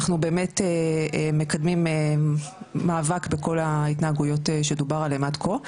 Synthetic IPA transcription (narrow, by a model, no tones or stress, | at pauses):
aχnube̞ːmeteeme̞kad̪mime | maːvakbeko̞lait̪naaɡujo̞teʃedubaʁalemadkʰo